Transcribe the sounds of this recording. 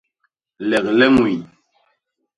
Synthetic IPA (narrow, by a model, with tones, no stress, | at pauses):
lɛ˨k̚lɛ˦mwi˨